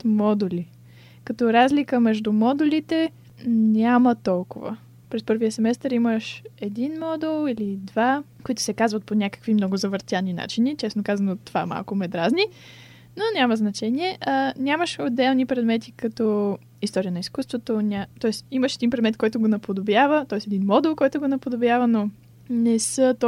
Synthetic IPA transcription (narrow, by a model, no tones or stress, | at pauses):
t̪mɔd̪ulʲi | kɐt̪ɔɾazlikəmɛʒd̪ʊmɔd̪ulit̪ɛ | nʲamət̪ɔlˠkʊvə̰ | pɾɛspɤɾviəsɛmɛst̪əɾiməʃɛd̪inmɔd̪ɛlˠilid̪vakoit̪ʊ̥sɛkazvət̪̚ponʲakə̥kvimnɔɡʊzɐvəɾt̪ʲjanina̰t͡ʃinit͡ʃɛsnokazɐnot̪ːova̰ma̰lˠkʊmɛd̪ɾazni | nonʲaməznɐt͡ʃɛnʲiɛʔənʲaməʃod̪ɛlˠnipɾɛd̪mɛt̪ikɐt̪ɔ | ist̪ɔɾiənɐiskust̪vot̪onʲat̪ɔɛsiməʃɛd̪inpɾɛd̪mɛt̪kɔjt̪ʊɡonɐpod̪objavət̪ɔɛsɛd̪inmɔd̪ɛlˠkɔjt̪ʊɡonɐpod̪objavəno | nɛsət̪